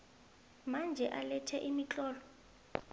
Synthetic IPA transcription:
mand͡ʒʱɛʔalɛtʰɛʔimit͡ɬʼɔːlɔ

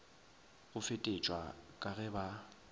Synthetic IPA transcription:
ɣʊfetʼet͡ʃʼwa̰kʼaɣɛba

